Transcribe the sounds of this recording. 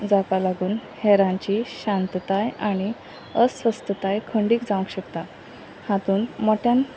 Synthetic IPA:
d͡zakalaɡuːnhɛɾãɲt͡ɕiɕãnt̪ət̪ajaɽ̃i | əsʋəst̪ət̪ajkʰəɳɖiːkd͡zaʋəkɕəkt̪a | hãt̪uːnmoʈʰjãn

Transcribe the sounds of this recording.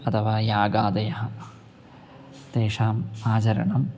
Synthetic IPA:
ɐt̪ʰɐʋaːjaːɡaːd̪ɐjɐɦɐ | d̪̥eːʂaːmaːd͡ʒɐɾɐ̰ɳɐm

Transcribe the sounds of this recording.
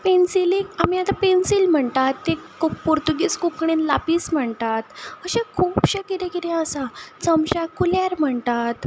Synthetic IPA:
pensilekamiat̪apensilm̤əɳt̪at̪ːekuppuɾt̪uɡiːskukɽ̃inlapiːsm̤əɳt̪at̪əɕakʰuːpɕəkiɾekiɾẽəsat͡səmɕakuljaɾm̤əɳt̪at̪

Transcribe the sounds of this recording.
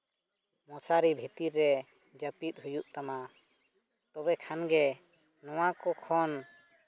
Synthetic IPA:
mɔsaɾibʱit̪iɾːɛ | d͡ʒəpit̪̚ˀɦujuʔt̪ama | t̪ɔbɛkʰanɡɛ | nɔwakɔkʰɔn

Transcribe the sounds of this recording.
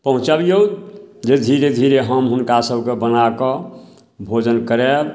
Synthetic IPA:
pəɦũt͡ʃabijod͡ʒed̪ʱiɾed̪ʱiɾeɦəmɦunkasəbʱkebənakɔ | bʱod͡ʒənkəɾeb

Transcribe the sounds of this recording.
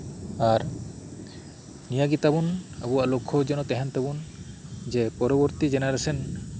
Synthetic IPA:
aɾ | nijaɡit̪abuna̰buwaʔlokʰɔd͡ʒɔnɔt̪ɛɦɛnt̪ɛbun | d͡ʒɛpɔɾɔbɔɾt̪id͡ʒɛnaɾɛsɛn

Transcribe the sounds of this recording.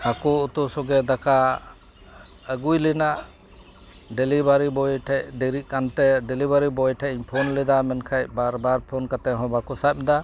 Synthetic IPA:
akɔut̪usɔɡɛd̪aka | əɡujlinaʔ | ɖɛlibaɾibɔjʈʰɛcɖɛɾit̪̚ˀkant̪ɛɖɛlibaɾibɔjʈʰaiɲpʰɔnlɛd̪amɛnkʰajbaɾbaɾpʰɔnkat̪ɛɦɔ̃bakɔsap̚d̪a

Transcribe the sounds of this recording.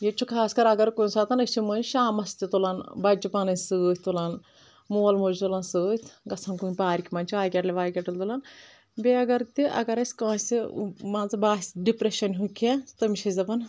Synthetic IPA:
jet͡ʃʰukʰaːskɐɾɐɡɐɾkunsaːt̪ɐnɐsʲt͡ʃimɐnʃaːmɐst̪it̪ulanbɐd͡ʒipaːnɐnʲsɨːt̪ʰʲt̪ulan | moːlmoːd͡ʒt̪ulansɨːt̪ʲʰɡɐt͡sʰankuːnʲpaːɾʲikʰʲimaːnʲt͡ʃʰiʋaːjkʲɛʈlʲeʋaːjkʲɐʈɨlt̪ulan | bʲeɐɡɐɾt̪iʔɐ̰ɡɐɾɐsʲkãːsʲimãːzɨbaːsʲɖipɾeʃɐnʲɦukʲʰat̪ɐmiʃiɐzɐpɐn

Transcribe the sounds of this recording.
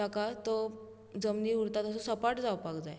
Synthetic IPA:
akat̪o | d͡zəmniːɦuɾt̪at̪əs̬osəpaʈd͡zaʋpakd͡zae

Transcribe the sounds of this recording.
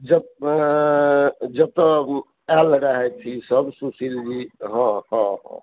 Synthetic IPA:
d͡ʒə | d͡ʒəb̚t̪ɔ | ɛlɾəɦɛt̪ʰisəbsusild͡ʒiɦɔ̃ɦɔ̃ɦɔ̰̃

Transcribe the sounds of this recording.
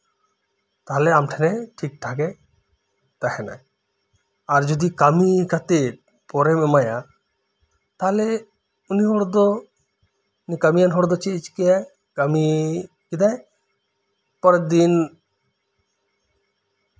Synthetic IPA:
t̪aɦɔleamʈʰɛneʈʰik̚ʈʰake | t̪ahɛna̰j | aɾd͡ʒod̪ikamikʰat̪e | pɔɾemɛmaja | t̪aɦɔle | uniɦɔɾd̪ɔ | nikamijanɦɔɾd̪ɔt͡ʃit͡ʃkijaj | kami | kid̪aj | pɔɾed̪in

